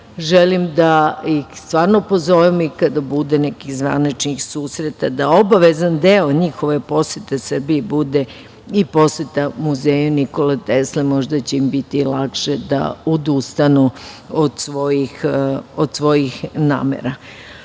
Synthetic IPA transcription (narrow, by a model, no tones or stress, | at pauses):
ʒelimd̪aixst̪ʋaːɾno̞pozo̞ʋemikad̪abud̪enekiɣzʋa̰nit͡ʃnixsuːsɾet̪ad̪aobaʋezand̪eoɲixoʋe̞po̞set̪esr̩bijebud̪e | ipo̞set̪amuzeːjuniko̞let̪eslemo̞ʒd̪at͡ɕeimbit̪ilakʂed̪a̰od̪ust̪anuod̪sʋojixod̪sʋo̞jixna̰ːmḛɾa